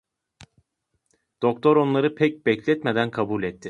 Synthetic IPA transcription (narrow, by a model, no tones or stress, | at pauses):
d̪̥o̞k̚t̪ʰo̞ɾo̞nlˠaɾɯpʰɛc̚bɛclʲɛt̪med̪ænkʰabulʲɛt̪ʰːɪ